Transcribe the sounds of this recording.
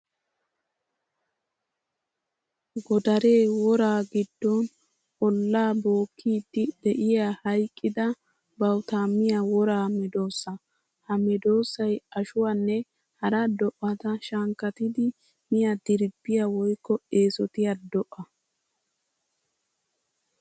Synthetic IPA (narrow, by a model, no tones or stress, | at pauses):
ɡɔd̪ɐɾe̞ːwɔɾaːɡɪd̪ːɔn | ɔlːaːbo̞ːkʰːiːd̪ːɪd̪ɛʔɪjaːhɐjkʼːɪd̪ɐ | bɐwt̪aːmːɪjawɔɾaːmɛd̪o̞ːsːɐ | hɐmɛd̪o̞ːsːɐjɐʃʊwanːɛ | hɐɾɐd̪ɔʔɐt̪ɐʃɐŋkːɐt̪ɪd̪ɪ | mɪjad̪ɪɾbːɪjawɔjkːɔe̞ːsɔt̪ɪjad̪ɔʔɐ